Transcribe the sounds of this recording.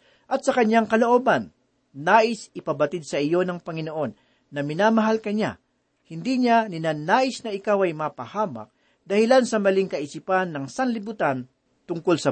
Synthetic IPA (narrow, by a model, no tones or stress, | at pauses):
ʔɐt̪̚sɐkɐɲjaŋkɐlo̞ʔo̞ːbɐnː | aːʔɪsɪpɐbɐt̪ɪd̪̚sɐʔɪjo̞nɐŋpɐŋɪno̞ʔo̞nː | ɐmɪnaːmɐɦalkɐɲa̰ | hɪnd̪iɲanɪnanaːʔɪsnɐʔɪkawɐjmaːpɐhaːmɐ̰k̚ | d̪ɐhɪlansɐmɐliŋkɐʔɪsipanːɐŋsanlɪbut̪an | t̪ʊŋkolsɐ